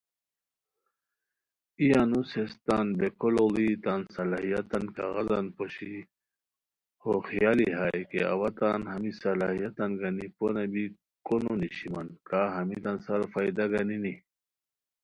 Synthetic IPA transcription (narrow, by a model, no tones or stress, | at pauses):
ijanusest̪anbekololit̪ansɐlaɦijɐt̪ankaɣɐzanpoɕi | hoxijaliɦaːjkea̰wat̪anhɐmisɐlahijat̪anɡaniponɐbi | kononiɕimankaɦɐmit̪ansɐɾfajd̪aɡanini